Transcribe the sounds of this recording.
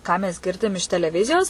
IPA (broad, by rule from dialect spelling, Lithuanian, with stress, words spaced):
ˈkɑː mʲɛs ˈɡʲɪrʲdʲɪm ɪʃ tʲɛlʲɛˈʋʲɪzʲɪjoːs